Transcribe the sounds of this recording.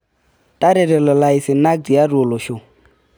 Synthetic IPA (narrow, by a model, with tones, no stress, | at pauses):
tʼa˦ɾɛ˨ɾɛ˨lɔ˨la˨i˨sɪ˨na˦k̚di˨a˦ru˨o˨lo˨ʃo˦˨